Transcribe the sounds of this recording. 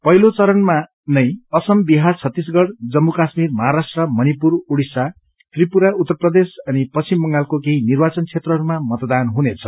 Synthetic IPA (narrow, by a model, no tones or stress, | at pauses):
pʌɦilot͡sʌɾʌnma | nʌjʌsʌmbiɦart͡sʰʌt̪ːis̬ɡʌɽd͡zʌmːukasmirmʌɦaɾasʈrʌmʌnipuɾuɽisa | t̪ripuɾaut̪ːʌrprʌd̪esʌnipʌimbʌŋɡalkokeɦinirbat͡sʌnt͡sʰet̪rʌɦʌɾumamʌt̪d̪anɦunet͡sʰʌ̥